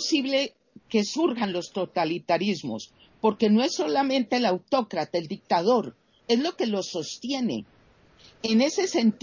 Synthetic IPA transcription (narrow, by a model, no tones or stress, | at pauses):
siβle̞ | ke̞suɾɣanlo̞st̪o̞t̪alit̪aɾizmo̞̰s | po̞ɾke̞no̞esːo̞lamẽ̞nt̪e̞lawt̪o̞kɾat̪aeld̪ik̚t̪að̞o̞ɾ | e̞zlo̞ke̞lo̞so̞st̪je̞ne̞̰ː | ne̞se̞se̞nt̪